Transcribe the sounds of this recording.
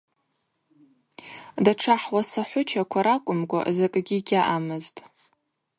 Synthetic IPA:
daʈ͡ʂʰaħwasaħʷʊt͡ʃʰakʷʰaɾakʷʼʊmɡʷa̰ʔzakʼɡʲiɡʲaʔamɨztʼ

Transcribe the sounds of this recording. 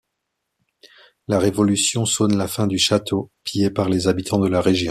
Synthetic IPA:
laʁevɔlysjɔ̃sɔnlafɛ̃d̪yʃat̪ʰopijepaʁlezabit̪ʰɑ̃d̪əlaʁeʒjɔ̃

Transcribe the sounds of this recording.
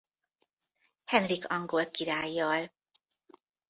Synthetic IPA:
hɛnrikʰɒŋɡolkiɾaːjːɒl

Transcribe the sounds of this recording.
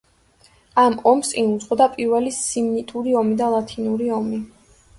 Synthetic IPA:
amɔmsʼinud̪sʼqʼɔd̪apʼiɾvɛlisimnit̪ʼuɾiɔmid̪alˠat̪ʰinuɾiɔmi

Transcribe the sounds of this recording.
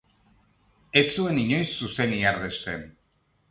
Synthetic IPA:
et͡sue̞niɲo̞jsːuse̞niaɾðe̞st̪e̞n

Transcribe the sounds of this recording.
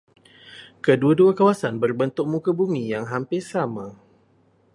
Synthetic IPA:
kəduaduakawasanbərbənt̪ʊk̚mũkabumĩjaŋɦampɪrsamã

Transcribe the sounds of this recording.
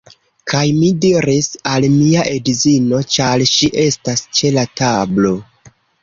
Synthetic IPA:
kʰajmidiɾisalmiaʔe̞dzino̞t͡ʃalʃiʔe̞stast͡ʃe̞latablo̞

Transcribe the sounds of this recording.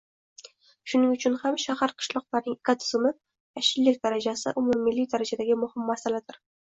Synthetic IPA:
ʃʊnɪŋʊt͡ʃʰʊnhamʃahaɾqʰɨ̥ʃlˠɒqlˠaɾnɪŋekʰʲat̪ʰɪ̥zɪmɪ | aʃɪllːɪkʲd̪aɾad͡ʒasɪ̰ʔʊmʊmːɪlːɪk̚ʲd̪aɾad͡ʒad̪aɡʲɪmʊhɪmːasalad̪ɪɾ

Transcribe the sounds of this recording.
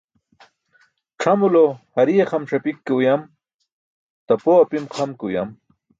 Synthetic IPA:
ʈ͡ʂʰamulohɐɾijeχamʂɐpikːeujam | t̪apoapimqʰamkeuja̰m

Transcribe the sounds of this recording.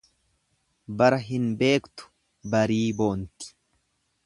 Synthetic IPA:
bɐɾɐɦɪnbe̞ːkt̪ʊ̥ | bɐɾiːbo̞ːnt̪ɪ̥

